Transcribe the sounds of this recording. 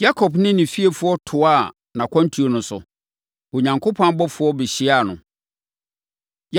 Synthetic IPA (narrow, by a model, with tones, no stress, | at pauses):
ja˦kʰɔ˨bnɪ̃˦nɪ̃˨fi˦e˨fʊ˦ɔ˦tʰʊ˨a˦˨ | nã˨kʰɔ̃˦n˦tʰu˨˦o˨nʊ̃˦sʊ̰˨ | o˨ɲã˨ŋkʰo˦pʰɔ̃˦n˦bɔ˦fʊ˨˦ɔ˦bɪ˨ɕi˦a˦˨nʊ̃˨ | j